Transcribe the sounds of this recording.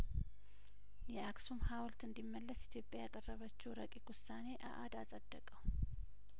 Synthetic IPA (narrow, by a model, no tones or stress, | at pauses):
jɛaksumhawlt̪ɨnd̪imːəlːəsit̪ʰjo̞pʼjajakʼərːəβət͡ʃːɛwɾəkʼikwʊsːane̞ʔa̰ʔad̪asʼəd̪ːəkʼəw